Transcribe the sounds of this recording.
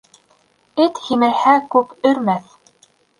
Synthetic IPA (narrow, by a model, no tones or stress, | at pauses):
ɘt̪himælhækʉpɵ̆ɾmæθ